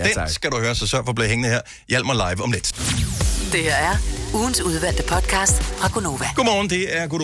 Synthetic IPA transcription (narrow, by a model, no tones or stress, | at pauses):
d̥ensɡ̥æɾuhøːɐsɒ̽sɶɐfɒ̽b̥liɦeŋən̩heɐ̰ | jel̰b̥mɑlɑ̈ɪʋəɒ̽mled̥ | d̥e̝heɐæɐuːn̩suð̞ˠʋæl̰d̥əpʰɒ̽d̥kʰɑ̈ːsd̥fʁɑ̈ɡ̥ono̝ːʋæɡ̥o̝mɒːn̩d̥e̝æɐɡ̥o